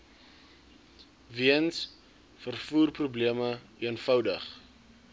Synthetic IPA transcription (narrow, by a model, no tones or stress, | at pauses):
viəns | fərfuːrprubliəmə | iənfɐwdəχ